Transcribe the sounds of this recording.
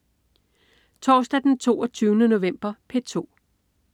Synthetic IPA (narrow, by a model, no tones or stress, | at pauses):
t͡sʰɒːsd̥æd̥ent͡sʰo̝̰ːɒt͡sʰyːʊnəno̝ʋem̰b̥ɐpʰet͡sʰo̝̰ː